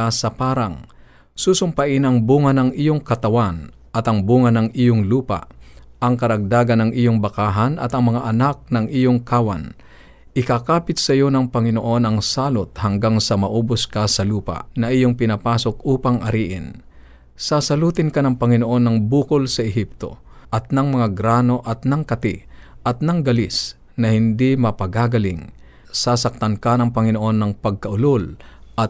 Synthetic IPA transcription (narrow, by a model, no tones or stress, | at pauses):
asɐpaːɾaŋ | suːsʊmpɐʔɪnɐŋbuːŋɐnɐŋʔijoŋkɐt̪ɐwan | ʔɐt̪ɐŋbuːŋɐnɐŋijoŋluːpa̰ʔʔɐŋkɐɾɐɡ̚d̪aːɡɐnɐŋʔijoŋbɐkaːɦɐnʔɐ̰t̪ɐŋmɐŋaʔɐnak̚nɐŋʔijoŋkaːwan | ʔɪkakaːpɪt̪̚sɐjo̞nɐŋpɐŋɪno̞ʔo̞nɐŋsaːlot̪̚hɐŋɡaŋsɐmɐʔuːbʊskasɐluːpa̰ʔnɐʔɪjoŋpɪnapaːso̞k̚uːpɐŋʔɐ̰ɾiːʔɪn | sasɐluːt̪ɪnkanɐŋpɐŋɪno̞ʔo̞nːɐŋbuːkʊlsɐʔɛɦip̚t̪o̞̰ | ʔɐt̪̚nɐŋmɐŋaɡɾaːno̞ʔɐt̪nɐŋkɐt̪iʔɐt̪̚nɐŋɡɐlis | nɐhɪnd̪imɐpɐɡaːɡɐliŋ | sasɐk̚t̪ɐnkanɐŋpɐŋɪnoʔo̞nːɐŋpɐɡ̚kɐʔʊlolʔɐt̪̚